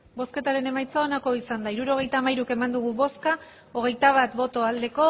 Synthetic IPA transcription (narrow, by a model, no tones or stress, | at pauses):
bo̞ske̞t̪aɾe̞ne̞majt͡saonako̞isand̪aiɾuɾo̞ɣ̞e̞jt̪aːmajɾuke̞mand̪uɣ̞uβo̞ska | o̞ɣ̞e̞jt̪aβ̞at̪bo̞t̪o̞ald̪e̞ko̞